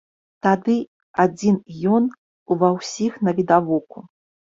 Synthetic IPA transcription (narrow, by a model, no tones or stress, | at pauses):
t̪ad̪ɨ | ad͡zʲinjɔn | uvawsʲixnɐvʲid̪avɔku